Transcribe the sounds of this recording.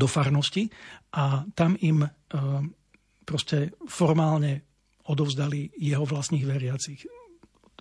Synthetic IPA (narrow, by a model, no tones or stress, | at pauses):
d̪ɔfaɾnɔsciʔat̪amim | pɾɔscɛfɔɾmaːlɲɛ | ɔd̪ɔʊzd̪alijɛɦɔʋlasɲiːɣʋɛɾɪat͡six